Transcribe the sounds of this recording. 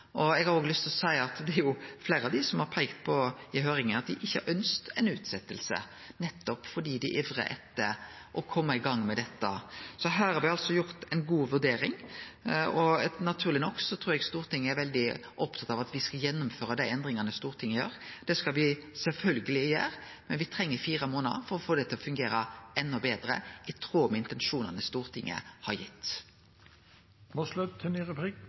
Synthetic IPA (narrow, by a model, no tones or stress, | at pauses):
ʔɔɛɡhɑɾoːɡlʏst̪ʰlɔsæɪɑt̪d̪ɛɾjʊfleːɾɑʋd̪ɪsɔmhɑɾpʰæɪkt̪pʰɔɪɦøːɾɪŋənɑt̪d̪ɪʔɪçːəhæ̰ɾʔœnst̪ɛɪnʉːt̪sɛt̪ːəlsə̰ | nɛt̪ːɔpfɔɖiːd̪ɪʔɛʋɾə̰ʔɛt̪ːə | ʔɔkʰɔmːəɪɡɑŋːmɛd̪ɛt̪ːə̰sɔɦæːɾhɑɾʋɪɑlsɔjʊɾt̪ɛɪnɡuːʋʉd̪eːɾɪŋ | ɔnɑt̪ʰʉːɾlɪnɔkːsɔt̪ʰɾuːɾɛɡst̪uːɾt̪ʰɪŋːəæɾʋɛld̪ɪʔɔpt̪ʰɑt̪ɑʋɑt̪ʋɪskɑljɛnːʊmføːɾəd̪ɛɛnd̪ɾɪŋɑnəst̪uːɾt̪ʰɪŋːəjø̰ːɾd̪̥ɛskɑlʋɪsɛlfœlɡəlɪːjæ̰ːɾ | mɛnʋɪt̪ʰɾɛŋːəfiːɾəmoːnɑfɔɾɔfoːd̪ɛt̪ʰɪlɔfʉŋɡeːɾəɛnːɔbeːd̪ɾə̰ɪt̪ʰɾuːmɪnt̪ɛnʂuːnɑnəst̪uːɾt̪ʰɪŋːə̰hɑɾjɪt̪ː | moslʉt̪̚ʰːɛniʁɛpʰɾiːk